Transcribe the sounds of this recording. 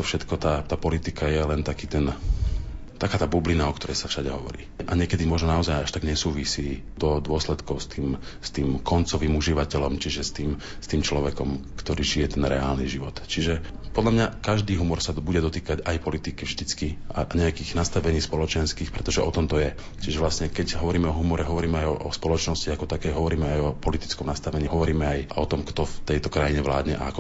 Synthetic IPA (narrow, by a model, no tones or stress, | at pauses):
t̪ɔfʃɛt̪kɔt̪aːt̪aːpɔlit̪ikajɛlɛnt̪akiːt̪ɛn | t̪akaːt̪aːbublinaɔkt̪ɔɾɛjsafʃaɟɛɦɔʋɔ̰ɾḭːʔaɲɪɛkɛd̪imʊɔʒnɔnaɔzajaʃt̪aɡɲɛsuːʋisiː | d̪ɔd̪ʊɔslɛt̪kɔʊst̪iːm | st̪iːmkɔnt͡sɔʋiːmuʒiʋacɛlɔmt͡ʃiʒɛst̪iːm | st̪iːmt͡ʃlɔʋɛkɔmkt̪ɔɾiːʒijɛt̪ɛnɾɛaːlniʒiʋɔt̪t͡ʃiʒɛ | pɔd̪lamɲakaʒd̪iːɦumɔɾsabuɟɛd̪ɔt̪iːkaɟajpɔlit̪ikivʒd̪it͡skia̰ɲɛakiːɣnast̪aʋɛɲiːspɔlɔt͡ʃɛnskiːxpɾɛt̪ɔʒɛʔɔt̪ɔmt̪ɔjɛ | t͡ʃiʒɛʋlasɲɛkɛɟɦɔʋɔɾiːmɛɔɦumɔɾɛɦɔʋɔɾiːmɛajɔʔɔspɔlɔt͡ʃnɔsciakɔt̪akɛjɦɔʋɔɾiːmɛajɔpɔlit̪i̥t͡skɔmnast̪aʋɛɲiːɦɔʋɔɾiːmɛajɔt̪ɔmkt̪ɔft̪ɛjt̪ɔkɾajiɲɛʋla̰ːd̪ɲɛʔa̰akɔ